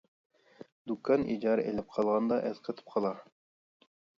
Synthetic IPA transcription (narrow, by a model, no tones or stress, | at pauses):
d̪ukːɑnʔḭd͡ʒɑɾḛlæp̚qʰɑlˠʁɑnd̪ɑʔɘðqɤ̆t̪ɤ̥p̚qʰɑlˠɑ